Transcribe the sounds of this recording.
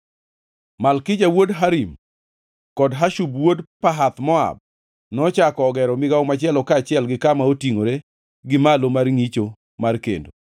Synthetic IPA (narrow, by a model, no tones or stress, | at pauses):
malkɪd͡ʒawodɦaɾim | kɔdɦaʃubwodpaɦat̪mɔa̰b̚ | nɔt͡ʃakɔːɡɛɾɔmɪɡaomat͡ʃɪɛlɔkat͡ʃɪɛlɡɪkamaotiŋoɾe | ɡɪmalomarŋit͡ʃo | markḛndo